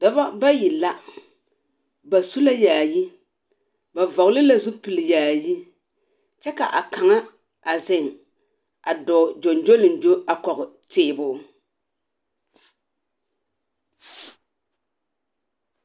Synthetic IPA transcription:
da˨ba˦ba˦ji˨la˦ | ba˨su˦la˦jaː˨ji˦ | ba˨vɔ˨ɣlɪ˦la˨zu˦pɨ˨lɨ˨jaː˨ji˦ | t͡ʃɛ˦ka˨ʔa˨ka˨ŋa˦ | a˨zɪ˦˨ŋ | a˨dɔː˨d͡ʒo˨nd͡ʒo˦lɨ˨nd͡ʒo˦a˨kɔ˨ɣɪ˨ | tɪː˦˨bʊ˦

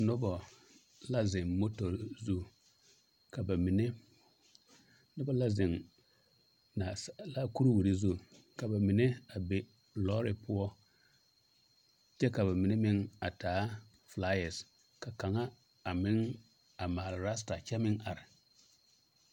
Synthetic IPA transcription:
nʊ˦bɔ˨ | la˦zɪ˨ŋmo˦tɔ˨ɾzu˦˨ | ka˨ba˨mi˨ne˦ | nʊ˦bɔ˦la˦zɪ˨ŋ | na˨sla˦ku˦ɾi˦wi˨ɾi˨zu˦˨ | ka˨ba˨mi˨ne˦a˨be˨ | lɔː˦ɾɪ˨pʊ˦ɔ˦ | t͡ʃɛ˦ka˨ba˨mi˨ne˦mɪ˦ŋa˨taː˨˦ | fla˦jɛ˨s | ka˨ka˨ŋa˦ | a˨mɪ˦ŋ | a˨maː˨lɪ˨ɾa˦sta˨t͡ʃɛ˦mɪ˦ŋa˨ɾɪ˨

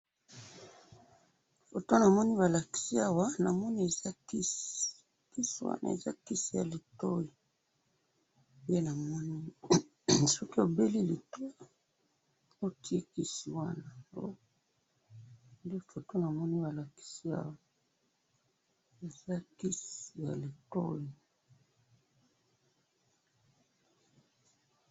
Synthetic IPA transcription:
fo˨to˦na˨mɔ˦ni˦βa˨la˨ki̥˨si˦a˦wa˦na˨mɔ˦ni˦e˨za˦ki˦ | ki˦si˦wa̰˦nʔa̰˨ḛ˨za̰˦ki˦si˨ja̰˨li˨to˦ji˨ | de˦na˨mɔ˦ni˦ | sɔ˦ki˦o˨be˦li˦li˨to˦i˨ | o˦ti˦e˦ki˦si˨wa˦na˨o˦ | ndi˦˨fo˨to˦na˨mɔ˦ni˦ba˨la˨ki̥˦si˦a̰˦wa˦ | e˨za˦ki˦si˨ja̰˨li˨to̰˦ji˨

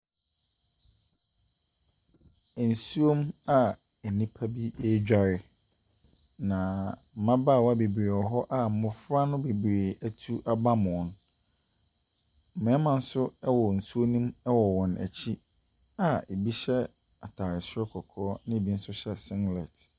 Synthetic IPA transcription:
ɛ˨n̩˨su˦o˦ma˨ | e˨nĩ˦pʰa˦bi˦e˦d͡ʑᶣa˨ɾɪ˨ | nã˨m̩˨mã˦ba˦˨wa˦be˨bɾe˨ɔ˨ɦɔ˦ʔa˦˨mʊ̃˨fɾa˦nʊ̃˦be˨bɾe˨æ˦tʰu˦ʔa˨ba˦mʊ̃˨n | m̩˨mɛ̃˨˦mã˨n̩˦sʊ˦ɛ˦wɔ˨n̩˨su˦o˦nĩ˦mɛ˦wɔ˨wɔ̃˨nʔæ̰˨t͡ɕʰi˦ | a˨e˨bi˦ɕɛ˦ | a˨tʰaː˨ɾɪ˨sɪ˦ɛ˦kʰɔ˨kʰɔː˨˦nɪ̃˦e˨bi˦n̩˦sʊ˦ɕɛ˦sɪ̃˦ŋɡlɛ˨t

